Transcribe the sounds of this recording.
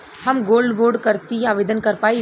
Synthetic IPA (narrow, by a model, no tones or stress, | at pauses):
hɐmɡoːlɖboːɾɖkəɾt̪iaːʋeːd̪ənkɐɾpaːi